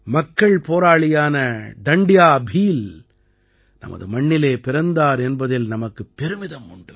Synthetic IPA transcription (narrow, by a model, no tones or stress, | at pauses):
mɐkːɐɭpoːɾaːɭɪjaːnɐɖɐɳɖɪjaːbʱiːl | nʔɐ̰mɐ̰ðɯmɐɳːɪleːpɪɾɐnd̪aːɾɛnbɐðɪlnɐmɐkːɯpːɛɾɯmɪðɐmʊɳɖɯ